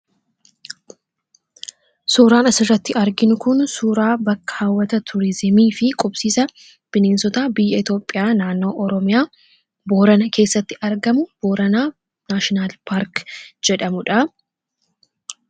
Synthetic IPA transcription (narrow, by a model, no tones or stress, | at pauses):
suːɾaːnɐsɪrːɐt̪ːɪɐɾɡɪnʊkʊnsuːɾaːbɐkːɐ̥hɐwːɐt̪ɐt̪ʰʊɾɪzɪmiːfɪkʼʊpsiːsɐ | b̥ɪneːnsɔt̪aːbɪjːɐɪt̪jo̞ːpʼːɪjaːnaːnːo̞ːʔɔɾɔmɪjaː | boːɾɐnɐke̞ːsːɐt̪ːɪʔɐɾɡɐmʊb̥oːɾɐnaː | naːʃɪnaːlpʰaːɾkd͡ʒɛᶑɐmʊᶑɐ